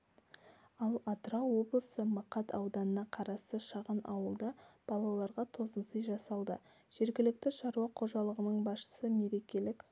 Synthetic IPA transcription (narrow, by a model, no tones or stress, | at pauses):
ɑlˠɑt̪ɾɑwo̞blˠəsəmɑqɑt̪ʰɑwd̪ɑnənɑqʰɑɾɑst̪əʃɑʁənɑ̰wəlˠd̪ɑb̥ɑlˠɑlˠɑɾʁɑt̪ʰo̞zənsəjʒɑsɑlˠd̪ə̰ | ʒ̥e̞ɾɡʲɪlɪk̚t̪ɪʃɑɾuɑqʰo̞ʒɑlˠəʁənəɴbɑsʃə̥səme̞ɾe̞kʲe̞lɪk